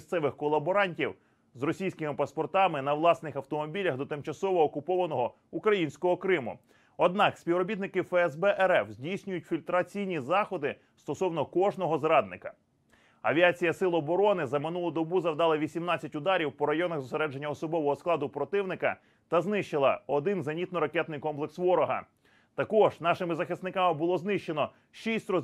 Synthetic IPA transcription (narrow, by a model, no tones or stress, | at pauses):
st̪sɛʋɪxkɔlˠːɐbɔɾɑnʲtʲiw | zrɔsʲijsʲkɪmɪpɐspɔrt̪ɑmɪnɐwlˠɑsnɪxɐwt̪ɔmɔbʲilʲɐɣd̪ɔt̪ɪmt͡ʃɐsɔʋɔːkʊpɔʋɐnɔɦɔ | ukɾɐjinʲsʲkɔɦɔkɾɪmʊ̰ | ɔd̪nɑksʲpʲiwɾɔbʲit̪nɪkɪfɛɛzbɛʔɛɾɛfzʲdʲijsʲnʲʊjʊtʲfʲilʲt̪ɾɐt͡sʲijnʲizɑxɔd̪ɪ | st̪ɔsɔwnɔkɔʒnɔɦɔzɾɑd̪̚nɪkɐ̰ | ɐʋʲiɑt͡sʲijɐsɪlˠɔːbɔɾɔnɪzɐmɪn̪ulˠʊd̪ɔbuzɐwd̪ɑlˠɐʋʲisʲimnɑt͡sʲːɐtʲʊd̪ɑɾʲiwpɔɾɐjɔnɐɣzɔseɾɛd͡ʒenʲːɐɔsɔbɔʋɔɦɔsklˠɑd̪ʊpɾɔt̪ɪwnɪkɐ | t̪ɐznɪʃt͡ʃɪlˠɐ̰ɔd̪ɪnzɐnʲit̪nɔɾɐkɛt̪nɪjkɔmplˠeksʋɔɾɔɦɐ̰ | t̪ɐkɔʒnɑʃɪmɪzɐxɪsnɪkɑmɪbʊlˠɔznɪʃt͡ʃːenɔ | ʃisʲtʲrɔ